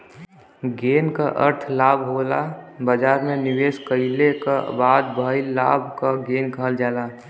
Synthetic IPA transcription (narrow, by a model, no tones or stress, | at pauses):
ɡeːnkaʔə̰ɾt̪ʰlaːbʱɦolabəd͡ʒaːɾmẽnɪweːskəɪleka̰baːd̪̚bʱəɪla̰ːbʱkaɡeːnkəɦəld͡ʒaːla